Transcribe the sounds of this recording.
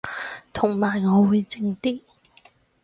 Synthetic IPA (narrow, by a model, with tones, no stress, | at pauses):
t̪ʰʊ˨˩ŋmaː˨˩jŋɔː˨˧wuː˨˧jt͡sɪ˧ŋt̪iː˥